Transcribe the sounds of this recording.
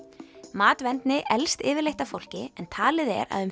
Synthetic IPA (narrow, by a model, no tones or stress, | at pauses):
maːt̪vɛnt̪nɪʔɛlst̪ɪːvɪɾlejht̪afowl̥cɪɛnt̪ʰaːlɪðɛ̰ɾa̰ðʏm